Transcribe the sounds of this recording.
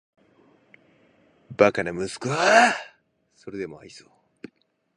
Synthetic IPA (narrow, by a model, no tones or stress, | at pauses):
bakanamɯ̟sɨ̥kɯ̟a | so̞ɾe̞d̪e̞moaisoː